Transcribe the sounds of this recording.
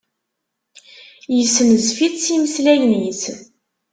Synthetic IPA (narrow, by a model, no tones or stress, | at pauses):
jəsməzfit͡sːiməslæjniθ